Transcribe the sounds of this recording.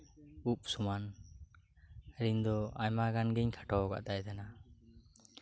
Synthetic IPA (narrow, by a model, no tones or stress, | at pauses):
up̚suman | ɾind̪ɔajmaɡanɡɛɲkʰḁʈɔɡa̰ʔd̪ajd̪ana